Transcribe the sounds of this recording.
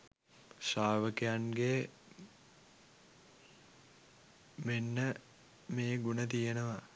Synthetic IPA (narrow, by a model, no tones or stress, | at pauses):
saːʋəkejanɡe | menːə | meːɡunət̪ijenəʋa